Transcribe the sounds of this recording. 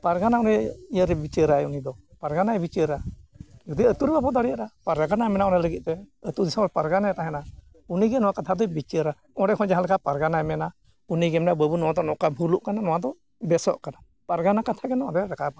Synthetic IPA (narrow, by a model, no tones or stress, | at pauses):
paɾɡanaɔnɛijəɾɛbit͡ʃəɾaɛunid̪ɔpaɾɡanajbit͡ʃəɾad͡ʒud̪iət̪uɾbapɔd̪aɽiaɾapaɾaɡanamɛnaɔnɛləɡit̪̚ˀt̪ɛət̪uɾd̪isamɛpaɾɡanajat̪aɦɛna | uniɡɛnɔwakat̪ʰad̪ɔbit͡ʃəɾa | ɔɽɛkʰɔnd͡ʒaɦalkapaɾɡanajmɛna | uniɡɛmnabəbunɔwad̪ɔnɔkabʱuluʔkananɔwad̪ɔ | bɛsɔʔkana | paɾɡanakat̪ʰaɡɛnaɔɾɛɾakapa